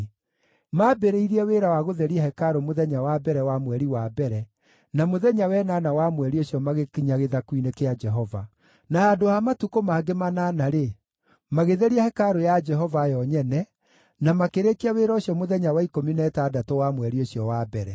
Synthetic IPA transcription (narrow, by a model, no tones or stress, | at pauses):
mabeɾeiɾiɛweːɾawaɣoðɛɾiɛhɛkaɾomoðɛɲawabɛɾɛwamwɛɾiwabɛɾɛ | namoðɛɲawɛnanawamwɛɾioɕiɔmaɣekiɲaɣeðakwinekead͡ʒɛɦɔva̰ | naadohamatukomaːɡemananaɾe | maɣeðeɾiahɛkaɾojad͡ʒɛɦɔvajɔɲɛnɛ | namakeɾekiaweːɾaoɕjɔmoðɛɲawaikominɛtaːdatowamwɛɾioɕjɔwabɛɾɛ